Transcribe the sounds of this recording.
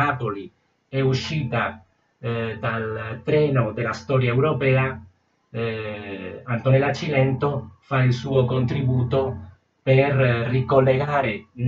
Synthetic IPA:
aːpoli | ɛuʃːiːt̪a | d̪alt̪ɾɛːnod̪elast̪ɔɾjaɛwɾopɛːa | ant̪ɔnelat͡ʃːilɛnt̪ofailsuːokont̪ɾibuːt̪o | pɛrːikolːeɡaːɾen

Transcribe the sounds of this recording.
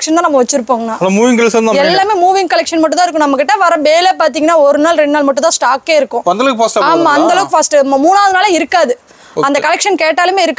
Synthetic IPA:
kʂɐnt̪ãːnɐmɐʋɐt͡ʃːɪɾɯpːoːŋɡɐnaːɐnɐmuːʋɪŋkɐlɛkʂɐnamɛlːaːmeːmuːʋɪŋkɐlɛkʂɐnmɐʈːʊ̃t̪ãːɪɾɯkːʊ̃nɐmːɐkɪʈːɐʋɐɾɐ̃beːlepaːɾt̪̬iːŋɡɐnːaːɔɾɯnaːlɾɛɳɖnaːlmɐʈːʊ̃t̪ãːsʈaːkːeːɪɾɯkːʊ̃ɐnd̪ɐlɐkfɐːsʈɐaːmaːɐnd̪ɐlɐkːfɐːsʈɯmamuːnaːʋɐðɯnaːlɐɪɾɯkːaːðɯ | ɐnd̪ɐkɐlɛkʂɐnkeːʈːaːlɯmeːɪɾɯkː

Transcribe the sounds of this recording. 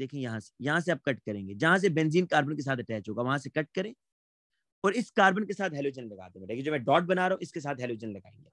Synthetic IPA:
d̪eːkʰẽjɐɦãse̥jɐɦãseaːb̚kɐʈkɐɾẽːŋɡed͡ʒɐɦãs̬ebɛ̃nziːnkaːɾbənkes̬aːt̪ʰɐʈɛːt͡ʃɦoːɡaʋɐɦãsekɐʈ̚kɐɾẽː | ɔːɾɪskaːɾbənkesaːt̪ɦɛːloːd͡ʒənlɐɡa̰ːd̪ẽɖeːkʰẽd͡ʒoːmɛ̃ɖɔːʈ̚bɐnaːɾɐɦũɪskes̬aːt̪ɦɛloːd͡ʒənlɐɡa̰ːḛ̃ːŋɡeː

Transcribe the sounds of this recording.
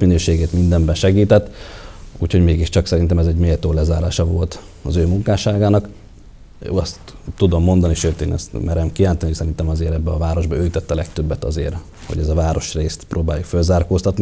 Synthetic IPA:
minøːʃeːɡeːt̪mind̪ɛmbɛnʃɛɡiːt̪ɛt̪ːuːcʰho̞ɟmeːɡiʃt͡ʃɒksɛɾint̪ɛmɛzɛɟmeːlt̪oːlɛzaːɾaːʃɒvo̞lt̪ | ɒzøːmuŋkaːʃaːɡaːnɒkː | ɒst̪ːud̪o̞mːo̞nd̪ɒniʃøːt̪ḛːnɛ̰st̪mʔɛɾɛmkiaːnt̪ɛnisɛɾint̪ɛmɒzeːɾɛbːɛɒvaːɾo̞ʒbɒøːjit̪ɛt̪ːɒlɛkt̪øbːɛt̪ɒ̰zeːr | ho̞̰ɟɛzɒvaːɾo̞ʃreːst̪prʔoːbaːjufølzaːrkoːst̪ɒt̪ni

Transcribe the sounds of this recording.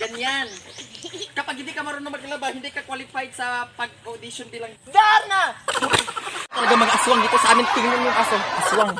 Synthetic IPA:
d͡ʒanian | kapaɡidikamaɾunamakilabaɦindikakwalifajt̪sapaɡ̚adisɔnbilaŋdarna | t̪əɾaɡaməŋasuaŋɡit̪usamɪnt̪iŋnʊrmuŋasʊŋasuaŋ

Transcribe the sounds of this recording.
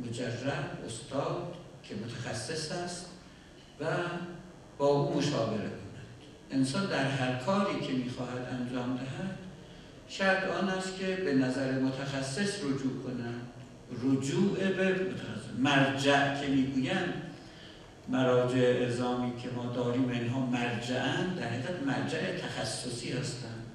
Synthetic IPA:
mod͡ʒærːæʔo̰st̪ɒːd̪̥cʰe̞mot̪ʰæxæsːe̞sæst̪ | væ | b̥ɒːʔuːmo̞ʃɒːbe̞ɾḛkʰonæd̪̥ | ʔe̞nsɒːnd̪æɾɦæɾkʰɒːɾiːcʰe̞miːxɒːɦæd̪ænd͡ʒɒːmd̪æɦæd̪̥ | ʃæɾt̪ɒːnæst̪kʰe̞benæzæɾemot̪ʰæxæsːe̞srod͡ʒuːkʰonænd̪̥ | ɾod͡ʒuːʔebemot̪ʰæxæ̰sːemæɾd͡ʒæʔcʲʰe̞miːɡuːjænd̪ | mæɾɒːd͡ʒeeʔezɒːmiːcʰe̞mɒːd̪ɒːɾiːmvæinɦɒːmæɾd͡ʒæʔænd̪d̪æɾheɣæt̪mæɾd͡ʒæʔet̪ʰæxæsːosiːhæst̪ænd̪̥

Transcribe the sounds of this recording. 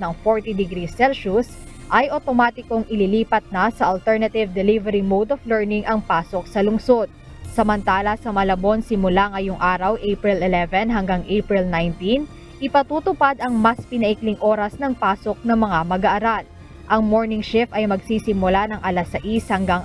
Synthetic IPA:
nɐŋfoɹt̪id̪ɪɡɾisɛlʃus | ʔɐjʔot̪o̞maːt̪ɪkoŋɪliliːpɐt̪̚nɐsɐʔɐlt̪ɛɹnɐt̪ɪvd̪ɛlivɛɾimowd̪oflɛɹnɪŋʔɐŋpaːso̞k̚sɐlʊŋso̞d̪̚ | sɐmɐnt̪aːlɐsɐmɐlɐbo̞nsɪmʊlaŋɐjoŋʔaːɾɐwʔejpɹɪlɪlɛvɛnɦɐŋɡaŋʔejpɹɪlnajnt̪in | ʔɪpɐt̪uːt̪ʊpad̪ɐŋmɐspɪnɐʔɪklɪŋʔoːɾɐsnɐŋpaːsok̚nɐŋmɐŋamɐɡɐʔɐɾal | ʔɐŋmo̞ɹnɪŋʃɪfɐjmɐɡsiːsɪmʊlanɐŋʔɐlɐsɐʔishɐŋɡaŋ

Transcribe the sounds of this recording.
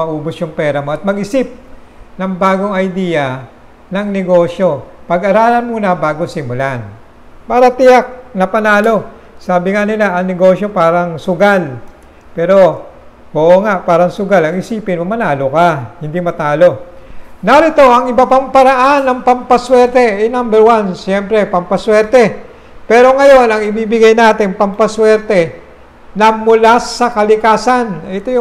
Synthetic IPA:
mɐʔuːbʊsjʊŋpɛːɾɐmo̞ʔɐt̪̚mɐɡʔɪsɪp̚nɐŋbaːɡo̞ŋɐjd̪ijɐ | nɐŋnɛɡo̞ːʃjo̞pɐɡɐɾaːlɐnmuːnɐbaːɡo̞sɪmʊlan | paːɾɐt̪ɪjak̚nɐpɐnaːlo̞ | saːbɪŋanɪlaʔɐŋnɛɡo̞ːʃjo̞paːɾɐŋsʊɡal | pɛːɾo̞ | ʔoːʔoŋaʔpaːɾɐŋsʊɡalɐŋɪsiːpɪnmɐmɐnaːlo̞kahɪnd̪imɐt̪aːlo̞naɾɪt̪o̞ʔɐŋɪbɐpaŋpɐɾɐʔanːɐŋpɐmpɐswɛɾt̪ɛʔɛjnambɛɾwansjɛmpɾɛpɐmpɐswɛɾt̪ɛ | pɛːɾo̞ŋɐjo̞nɐŋɪbiːbɪɡajnaːt̪ɪŋpɐmpɐswɛɾt̪ɛ | nɐmʊlasɐkɐlɪkaːsanɛt̪ojʊ

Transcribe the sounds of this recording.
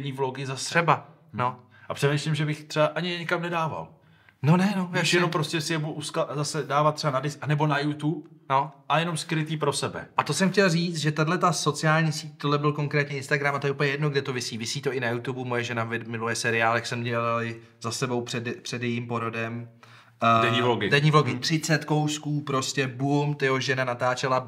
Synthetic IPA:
ɲiːvloɡɪzasrɛba | no̞ | ʔapr̥ɛdmɪslɪmʒɛbɪxt̪r̥ɛbaʔaɲɪjɛɲɪkamnɛdaːva̰l | nonɛnojɛʃɛnompɾo̞scɛsɪjɛbuduʔuskazasɛdaːvat̪̚ːrɛanadɪsanɛbo̞najut̪upnoʔajɛno̞mskɾɪt̪iːpɾo̞sɛbɛ̰ʔat̪o̞sɛmxcɛlriːt͡s̪ʒɛt̪adlɛt̪aso̞t͡sɪaːlɲiːsiːc̚t̪odlɛbɪlko̞ŋkɾɛːt̪ɲɛɪnst̪aɡɾamat̪o̞jɛʔuplɲɛjɛdnoɡdɛt̪o̞vɪsiːvɪsiːt̪o̞ʔɪnajut̪ubumo̞jɛʒɛnavɪmɪlujɛsɛɾɪaːlɛxsɛmɟɛlalɪ | zasɛbo̞wpr̥ɛdpr̥ɛdjɛjiːmpo̞ɾodɛm | dɛɲivloɡɪdɛɲiːvloɡɪt̪r̥ɪt͡sɛt̪ko̞wskuːpɾo̞scɛbumt̪jɛɦoʒɛnanat̪aːt͡ʃɛla

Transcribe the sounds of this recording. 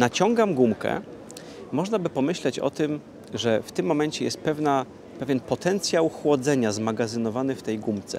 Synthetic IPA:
nat͡ɕɔŋɡamɡumkɛ̰ | mɔʐnabɘpɔmɘɕlɛt͡ɕɔ̰t̪ɘm | ʐɛft̪ɘmːɔmɛɲt͡ɕɛjɛst̪̚pɛvna | pɛvʲjɛnpɔt̪ɛnt̪sʲjawxwɔd̪zɛɲazmaɡazɘnɔvanɘft̪ɛjɡumt̪sɛ̰

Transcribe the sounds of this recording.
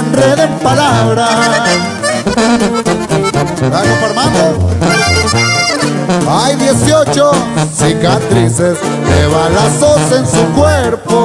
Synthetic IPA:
nreðempalaβɾa | ɾaɣofaɾmãno | ajðjesjot͡ʃosikat̪ɾises | deβalasosensukweɾpo

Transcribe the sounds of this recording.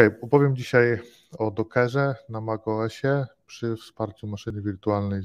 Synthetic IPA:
ɛjɔpɔvʲjɛmd͡ʑiɕaj | ɔd̪ɔkʰɛʐɛnamaɡɔɛɕɛpʂɘfspaɾt͡ɕumaʂɘnɘvʲiɾt̪ualnɛj

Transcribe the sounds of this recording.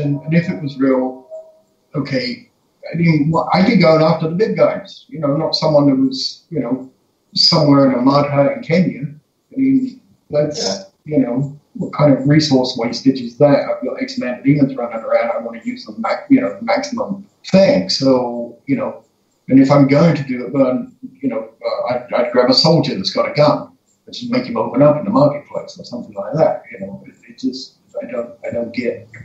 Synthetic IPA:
ɨ̃nɨ̃nɨfɨʔ̚wʌzɹilˠ | oʊkʰeɪ | aɪmĩnwʔa̰ɪkɨd̚ɡoʊ̃næftə˞ðəbɪd̚ɡaɪz̥jɨnoʊnətsʌ̃mwʌ̃nʉwʌz̥jɨnoʊ | sʌ̃mwɛɹɨ̃nəmɑ̃d̚ʰaɨ̃nkʰẽnjɨ | aɪmĩn | ðæts | jɨnoʊwʌt̚kʰãɪ̃ndʌvɹisɔɹsweɪstɪt͡ʃɨzðæt̚a̰ɪfilˠeɪksmæ̃nɨɾĩmɨ̃nzɹʌ̃ñʌ̃nə˞ãʊ̃ndaɪwɑ̃nɨjʉz̥ʌ̃mmækjɨnoʊmæksəmə̃m | θɪ̃ŋsoʊjɨnoʊ | ɨ̃nɨfãɪ̃mɡoʊɪ̃ŋtʰɨdɨɪt̚ðə̃njɨnoʊʌa̰ɪaɪd̚ɡɹævəsoʊlˠd͡ʒɨ˞ðɨtsɡ̥ɑɾɨkʌ̃m | ɨt̚d̥ʒ̥ʌsmeɪkɨ̃moʊpə̃nʌpn̩ðəmɑɹkɨt̚pʰl̥eɪsəsʌ̃mθɪ̃ŋlaɪk̚ðæt̚jɨnoʊʌɨt̚d̥ʒ̥ʌst | aɪdõʊ̃nt̚aɪdõʊ̃nɡ̥ɛt̚

